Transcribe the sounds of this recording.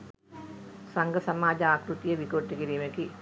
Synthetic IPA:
saŋɡɐsɐmaːd͡ʒɐaːkɾut̪ijɐʋikoːʈːikiɾiːmeki

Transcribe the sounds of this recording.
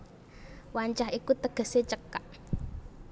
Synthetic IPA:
waɲt͡ʃaɦikut̪əɡ̥ə̤set͡ʃəkːaʔ

